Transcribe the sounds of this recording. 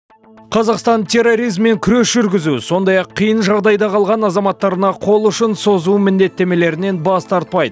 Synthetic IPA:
qʰɑzɑqst̪ɑnt̪ʰe̞rːo̞ɾijzmːe̞ŋkʲʰʏɾe̞sʒʏɾɡʲɪzuso̞nd̪ɑjɑqʰːijənʒɑʁd̪ɑjd̪ɑqʰɑlˠʁɑnɑzɑmɑt̪ːɑɾənɑqʰo̞lˠʊʃɪnso̞zuwmɪnd̪e̞t̪ːe̞me̞le̞ɾɪne̞nbɑst̪ɑɾt̪̚pɑjd̪ə

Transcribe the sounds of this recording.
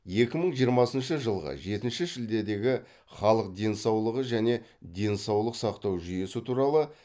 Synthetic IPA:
je̞kʲɪməɴʒijəɾmɑsənʃəʒəlˠʁə̰ʒe̞t̪ɪnʃɪʒɪld̪e̞d̪e̞ɡʲɪ | χɑlˠəq̚d̪e̞nsɑwlˠəʁəʒæne̞d̪e̞nsɑwlˠəqsɑqt̪ɑwʒʏje̞sɪt̪ʰuɾɑlˠə

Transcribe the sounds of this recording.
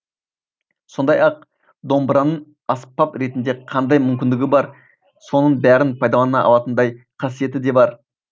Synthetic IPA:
so̞nd̪ɑjɑq̚ | d̪o̞mbɾɑnə | ɑspːɑpɾe̞t̪ɪnd̪e̞qʰɑnd̪ɑjmʏmkʲɪnd̪ɪɡʲɪbɑɾ | so̞nəɴbæɾɪnpʰɑjd̪ɑlˠɑnɑʔɑ̰lˠɑt̪ənd̪ɑj | qʰɑs̬ije̞t̪ɪd̪e̞bɑɾ

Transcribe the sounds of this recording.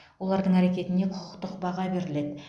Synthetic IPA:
wo̞lˠɑɾd̪əɴæɾe̞kʲe̞t̪ɪne̞qʰʊ̥ʊqt̪əqbɑʁɑbe̞ɾɪle̞d̪ɪ

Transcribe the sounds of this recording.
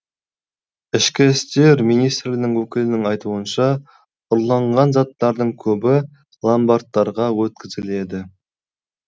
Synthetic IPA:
ɪʃkʲɪst̪e̞ɾmijnijst̪rlʲɪnɪŋwɵkʲɪlɪnɪŋɑjt̪uənʃɑ | ʊɾlˠɑɴʁɑnzɑt̪ːɑɾd̪əɴkʲʰɵbɪ | lˠambɑɾt̪ːɑɾʁɑwɵt̪̚kʲɪzɪle̞d̪ɪ

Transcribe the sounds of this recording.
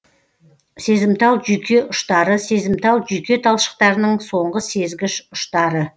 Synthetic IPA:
se̞zɪmt̪ɑlˠʒʏjkʲʰe̞ʔʊʃt̪ɑɾəse̞zɪmt̪ɑlˠʒyjkʲe̞t̪ʰɑlˠʃə̥q̚t̪ɑɾənəɴso̞ɴʁəse̞zɡʲɪʃʊʃt̪ɑɾə

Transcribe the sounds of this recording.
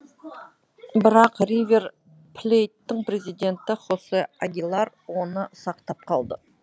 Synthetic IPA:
bɪɾɑqrijvʲe̞r | pʰlʲejt̪ːɪŋpɾe̞zijd̪ʲe̞nt̪ɪχosəaɡʲilˠɑɾ | wo̞nəsɑqt̪ɑp̚qʰɑlˠd̪ə

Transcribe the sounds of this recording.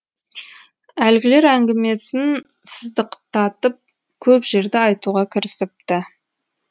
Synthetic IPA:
ælɡʲɪle̞ɾæŋɡʲɪme̞sɪn | səzd̪əqt̪ʰɑt̪əp̚ | kʲʰɵpʒe̞ɾd̪ɪɑjt̪uʁɑkʲʰɪɾɪsɪp̚t̪ɪ

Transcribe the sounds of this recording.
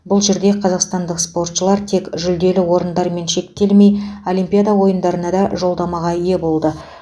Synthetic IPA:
bʊlˠʒe̞ɾd̪e̞qʰɑzɑqst̪ɑnd̪əqspo̞rt̪ʃəlˠɑɾt̪ʰe̞kʒʏld̪e̞lɪwo̞ɾənd̪ɑɾme̞nʃe̞kt̪e̞lme̞jo̞lʲimpʲijad̪awo̞jənd̪ɑɾənɑd̪ɑʒo̞lˠd̪ɑmɑʁɑije̞bo̞lˠd̪ə

